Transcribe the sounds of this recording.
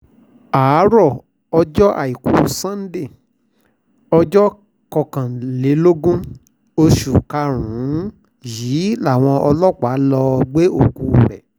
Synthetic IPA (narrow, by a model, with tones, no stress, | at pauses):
a˨˦ɾɔ˦˨ | ɔ˧d͡ʒɔ˦ʔa̰˨i˨ku˨˦˨sã˦n̩˦de˦˨ | ɔ˧d͡ʒɔ˦ | kɔ˧kã˨le˨˦lo˦ɡũ˦ | o˧ʃu˨ka˧ɾ̃ũ˨˦ | jiː˨˦la˦˨w̃ɔ̃˧ʔɔ˧lɔ˦˨k͡pa˨˦lɔ˧ɡ͡be˦o˦˨ɡu˧˨ɾɛ̰˨